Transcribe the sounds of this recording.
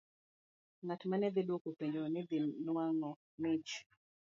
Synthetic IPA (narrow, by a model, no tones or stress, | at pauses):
ŋatmanɛd̪ɪdwokupeɲd͡ʒɔnɛd̪ɪnwaŋɔ | mɪt͡ʃ